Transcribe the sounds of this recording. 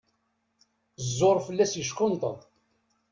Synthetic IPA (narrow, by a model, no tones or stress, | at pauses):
zːoɾˤfəlːæsjəʃkʊnt̪ə̰ðˤ